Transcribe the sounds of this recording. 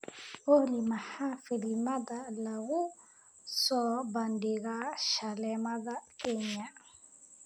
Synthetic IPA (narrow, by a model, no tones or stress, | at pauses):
ohlimahafilimad̪alaɣu | sɔbandiɡaʃalɛmad̪akɛɲa